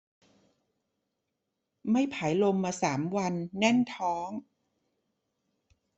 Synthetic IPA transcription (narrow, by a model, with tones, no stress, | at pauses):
ma˥˩jpʰaː˩˦jlo˧mːaː˧saː˩˦mwa˧nːɛ˥˩nt̪ʰɔː˦˥ŋ